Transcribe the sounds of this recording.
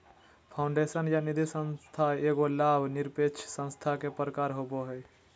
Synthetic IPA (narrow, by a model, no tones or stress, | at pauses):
pʰaʊɳɖesənjanid̪ʱisə̃nst̪ʰaeɡolabʱniɾpet͡ʃʰsə̃nst̪ʰakepɾəkaɾɦoboɦəj